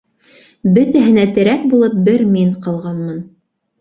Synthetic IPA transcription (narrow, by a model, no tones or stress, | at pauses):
bɵt̪æɦɘ̆næt̪ɘ̆ɾæk̚bulˠɤp̚bɘɾmiɴqɑlˠʁɑnmɤn